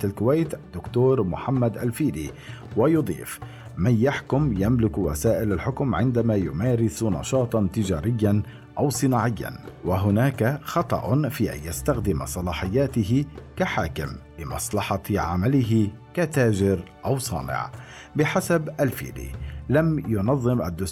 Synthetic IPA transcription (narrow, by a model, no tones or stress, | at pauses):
alkʊwajt̪ʔad̪ːʊkt̪oːɾmʊħamːad̪ʔalfiːd̪ḭː | wajʊd̪ˤḭːf | manjaħkʊmjamlɪkwa̰saːʔɪlalħʊkmʕɪnd̪amaːjʊmaːɾɪsnɑ̰ʃɑːt̪ˤɑnt̪ɪd͡ʒa̰ːɾɪjːan | ʔawsˤɨnaːʕɪjːa̰nwaɦʊnaːkaxɑt̪ˤɑ̰ʔʊfiːʔa̰njast̪axd̪ɪma̰sˤɑlɑːħɪjːaːt̪ɪɦɪkaħaːkɪmlɪmɑ̰sˤlɑħɑʕa̰malɪɦɪkat̪aːd͡ʒɪɾʔawsˤɑ̰ːnɪ̰ʕ | bɪħasabʔalfḭːd̪ḭlamjʊnɑðˤːɨmʔad̪ːʊs